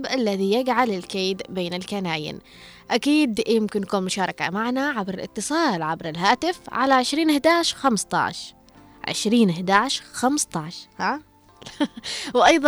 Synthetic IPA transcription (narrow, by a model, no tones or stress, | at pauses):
bʔalːaðijaɡʕalɪlkeːd̪beːnɪlkanaːjɪ̰n | ʔakiːd̪jɪmkɪnjakuːnmʊʃɑːɾˤɑka̰maʕnaʕabɾɪlɪ̰t̪ːɨsˤɑːlʕabɾɪlɦaːt̪ɪfʕa̰laʕɪʃɾiːnhd̪aːʕʃxamst̪ˤɑ̰ʕʃ | ʕɪ̰ʃɾiːnhd̪aːʕʃxamst̪ˤɑʕʃha | wʔɑjðˤ